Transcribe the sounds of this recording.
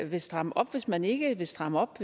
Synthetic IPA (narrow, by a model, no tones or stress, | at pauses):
ʋe̝sd̥ʁɑ̈məʔɒ̽b̥ʋe̝smæne̝ɡ̥əʋe̝sd̥ʁɑ̈məɒ̽b̥